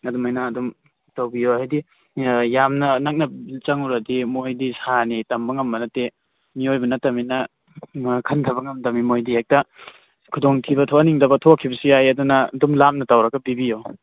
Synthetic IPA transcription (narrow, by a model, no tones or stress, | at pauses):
ɐdumajnaːdum | tawbijoajdi | jamnɐnak̚nɐbilt͡ʃaŋuɾadimojdisanitɐmbɐŋɐmbɐnɐte | miojbɐnɐtɐminɐ | kʰɐntʰɐbɐŋɐmdɐmimojdihek̚tɐ | kʰudoŋtʰibɐtʰoaniŋdɐbɐtʰokʰːibɐsiajɐdunɐdumlam̚nɐtawɾɐɡɐbibijo